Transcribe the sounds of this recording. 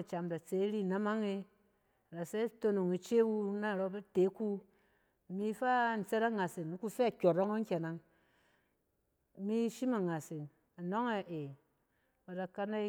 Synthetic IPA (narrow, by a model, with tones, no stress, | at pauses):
t͡ʃa˨mda˨t͡se˨˦ɾi˦˨na˦ma˦ŋe˦˨ | ɾa˨se˦to˦no˨ŋi˨t͡ʃe˦wu˦na˦˨ɾo˦be˦te˨˦ku˦˨ | mi˦fa˦˨n̩˨t͡se˦ɾa˦ŋa˨si˨ni˦ku˦fe˦a˨kʲo˨ɾo˦ŋo˦ŋ˦kʲe˨na˨ŋ | mi˦ʃi˦ma˨ŋa˨si˨n | a˨no˦ŋe˨ʔe˨ | wa˨da˨ka˦na˦